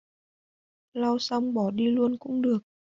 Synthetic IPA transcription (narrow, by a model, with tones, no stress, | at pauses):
la˧wsa˧wŋ͡mɓɔ˨˩ɗi˧lu˧ənkʊ̰˧˥ŋ͡mɗɨ˨˩ək̚